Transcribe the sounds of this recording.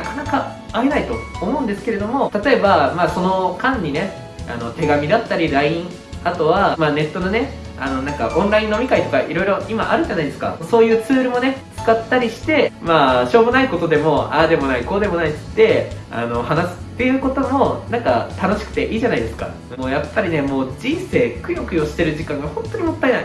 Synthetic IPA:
nakanakaː | enait̪o̞ːmo̞ɯ̟̃nd̪esɨ̥ke̞ɾe̞d̪o̞mo̞t̪at̪o̞e̞bamaːso̞no̞kãɲ̟ːine̞ | a̰no̞t̪e̞ɡamʲid̪at̪ːaɾʲiɾaĩɴ | at̪o̞βamaːne̞t̪ːo̞none̞ | a̰no̞nãŋkaʔõ̞nɾaĩnːo̞mʲikait̪o̞kaʔiɾo̞iɾo̞ʔima̰ʔa̰ɾɯ̟ʑanaid̪esɨ̥ka̰so̞ːjɯ̟ːt͡sɨːɾɯ̟mo̞ne̞t͡sɨ̥kat̪ːaɾʲiɕi̥t̪e̞maːɕo̞ːbonaiko̞t̪o̞d̪e̞mo̞aːd̪e̞mo̞naiko̞ːd̪e̞mo̞nait͡sɨ̥t̪ːe̞ | a̰no̞hanasɨ̥t̪ːe̞jɯ̟ːko̞t̪o̞mo̞nãŋkat̪ano̞ɕi̥kɯ̟̥t̪e̞ʔiːʑanaid̪e̞sɨ̥ka̰ | moːjapːaɾʲine̞mo̞ːd͡ʑĩɰ̃se̞ːkɯ̟jokɯ̟joɕi̥t̪e̞ɾɯ̟ʑikãŋɡahõ̞nt̪o̞ɲ̟imo̞t̪ːaenai

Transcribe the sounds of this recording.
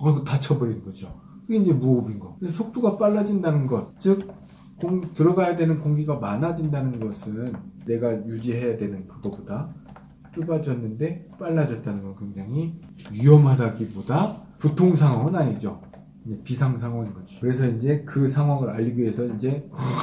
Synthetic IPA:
kɡotat͡ɕʰʌbɯɾinɡʌd͡ʑo | kɯɡe̞ind͡ʑe̞muʌbinɡʌkɯesʰok̚t͈uɡap͈aɭːad͡ʑindanɯnɡʌt̚t͡ɕɯk̚ | koŋtɯɾʌɡajadwe̞nɯnkoŋɡiɡamanad͡ʑindanɯnɡʌsʰɯnːe̞ɡajud͡ʑiɦe̞jadwe̞nɯnkɯɡʌboda | t͡ɕ͈uɡad͡ʑʌnːɯnde̞p͈aɭːad͡ʑʌt̚t͈anɯnɡʌnkwe̞ŋd͡ʑaŋɦiɥiʌmɦadaɡibodapotʰoŋs̬ʰaŋɦwaŋɯnaɲid͡ʑo | ind͡ʑe̞pisʰaŋsʰaŋɦwaŋinɡʌd͡ʑokɯɾe̞sʰʌind͡ʑe̞kɯsʰaŋwaŋɯɾaʎːiɡoɦe̞sʰʌind͡ʑe̞

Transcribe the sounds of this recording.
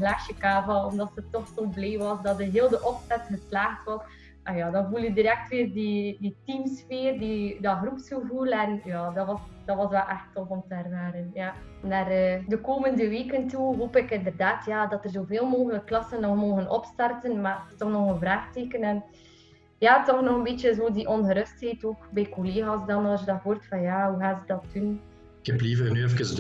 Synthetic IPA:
əɦlaːʃjəkaːvɑlɔmdɑtsətːɔxsoːbleːʋɑsdɑtdəɦeːlˠdəʔɔpsɛtxəslaːxtʋɔ | ajaːdɑnvulˠjədiɾɛk̚tʋɪːrdiditimsfeːrdidɑɣrupsxəvulɛnjaːdɑʋɑsdɑtʋɑsʋɛlʔɛxtɔfɔmtəɛrwaːɾənjaː | naːrədəkoːməndəʋeːkəntuɦoːpɪkɪndərdaːtjaːdɑtərzoːveːlˠmoːɣələkːlɑsənːɔxmoːɣənʔɔpstɑrtənmaːtɔxnɔxənvraːxteːkənɛn | jaːtɔxnɔɣənbeːtəzoːdiʔɔnɣəɾɵstɦɛːtoːkbɛjkoleːɣaːsdɑnɑlˠsjədɑɦoːrtfɑnjaːɦuɣaːzədɑt̚dun | ɪkhɛplivərnyɛfəkəs

